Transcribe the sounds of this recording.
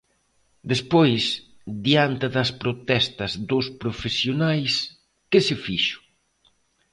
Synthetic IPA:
d̪espojs | ðiant̪ɪðɐspɾot̪ɛst̪ɐzðospɾofesjonajs | kɪsɪfiʃʊ̥

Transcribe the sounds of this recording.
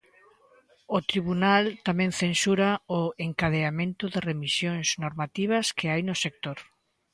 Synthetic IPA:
ot̪ɾiβunalt̪amɛ̃ŋθensuɾaʊeŋkaðeamẽnt̪ʊðɪremisjoŋsnoɾmat̪iβ̞ɐskɪajnʊsek̚t̪oɾ

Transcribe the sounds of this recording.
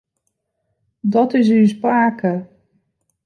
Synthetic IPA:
dɔtɪs̬ys̬paːkə

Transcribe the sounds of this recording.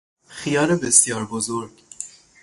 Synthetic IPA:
xijɒːɾebesjɒːɾbozoɾɡ

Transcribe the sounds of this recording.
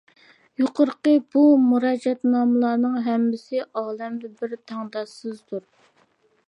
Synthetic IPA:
joqʊɾqəb̥umuɾɑːd͡ʒɛt̪nɑːmɨlˠɑːnɨŋɦɛmːɪsɪʔɑːlˠɛmd̪ɪbɪɾt̪ʰɑŋd̪ɑsɨzd̪uɾ

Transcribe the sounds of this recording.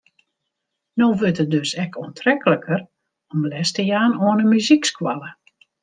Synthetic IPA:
noːʋøtət̚døsɛkɔəntʰrɛkələkʰər | ɔmlɛstəjaːnoənəmyzikskwalˠə

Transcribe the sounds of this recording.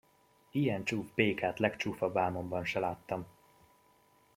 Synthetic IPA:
ijɛnt͡ʃuːvbeːkaːt̪lɛkt͡ʃuːfɒbaːmo̞mbɒnʃɛlaːt̪ːɒm

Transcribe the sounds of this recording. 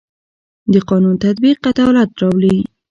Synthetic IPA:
d̪əqɑnunt̪at̪̚biqːat̪awlat̪ɾɑwli

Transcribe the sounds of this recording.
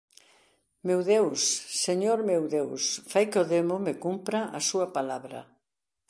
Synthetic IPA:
mewðewsːeɲoɾmewðewsfajkeoðemʊmɪkumpɾɐʔɐsuɐpalaβɾɐ̰

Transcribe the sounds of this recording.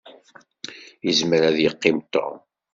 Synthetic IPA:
jəzməɾæðjəqːɪmt̪ːo̰ʁ

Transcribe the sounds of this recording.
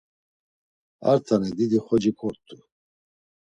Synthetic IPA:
a̰ɾt̪ʰanɛd̪id̪iχɔd͡ʒikʰɔɾt̪ʰʼːu

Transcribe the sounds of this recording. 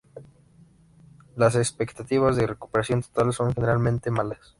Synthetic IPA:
las̬espe̞kt̪at̪iβazðere̞ku̥pe̞ɾasjo̞nt̪o̥t̪also̞ŋxe̞neɾalmẽ̞nt̪e̞malas

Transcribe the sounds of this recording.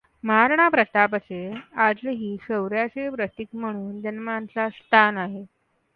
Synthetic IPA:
maaɾɳapɾət̪apt͡sead͡zlɦiːɕəwɾjat͡sepɾət̪ikm̤əɽ̃uːnd͡ʑənmant͡sast̪ʰanaɦe

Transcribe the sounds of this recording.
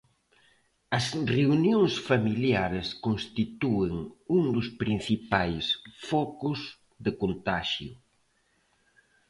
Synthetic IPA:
ɐsreunjõŋsfɐmiljaɾɪskonst̪it̪uɪŋuŋd̪ʊspɾin̟θipajsfɔkʊz | ðɪkont̪aʃjʊ̰

